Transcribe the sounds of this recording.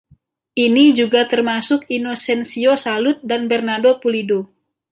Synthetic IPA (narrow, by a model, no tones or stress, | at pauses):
ʔinid͡ʒuɡat̪ərmasʊkinosɛnsiosalʊt̪̚danbɛrnadopulido